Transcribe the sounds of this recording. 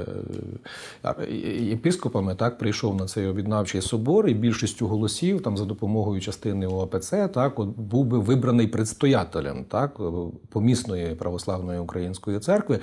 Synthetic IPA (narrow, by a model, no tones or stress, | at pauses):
jepɪskɔpɐmɪt̪ɑk̚pɾɪjʃɔwnɐt̪sɛjɔbʲjid̪nɑwt͡ʃɪjsɔbɔɾibʲilʲʃisʲtʲʊɦɔlˠɔsʲiwt̪ɑmzɐd̪ɔpɔmɔɦɔjʊt͡ʃɐst̪ɪnɪuɐpet̪sɛt̪ɑkɔt̪̚buwbɪʋɪbɾɐnɪjpɾɪt̪st̪ɔjɑt̪elʲɐ̰mt̪ɑkpɔmʲisnɔjipɾʔɐʋɔslˠɑwnɔjiʊkɾʔɐjinʲsʲkɔjit̪sɛrkʋɪ